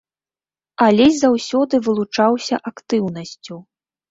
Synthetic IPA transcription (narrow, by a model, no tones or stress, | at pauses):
ɐlʲɛzʲzawsʲɔd̪ɨvɨlˠut͡ʂawsʲɐʔakt̪ɨwnɐsʲt͡sʲu